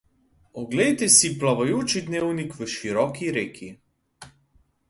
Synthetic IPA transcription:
ɔɡledt̪ɛsiplaʋajoːt͡ʃid̪neːwnikʋəʃiɾɔːkiɾeːkʰi

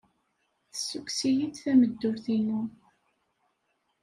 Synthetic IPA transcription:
θəsːukːsijid̪θæməd̪ːʊɾθinu

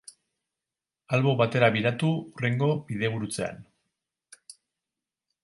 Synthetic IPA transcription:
alβo̞βat̪e̞ɾaβiɾat̪uure̞ŋɡo̞biðe̞βuɾut͡se̞a̰n

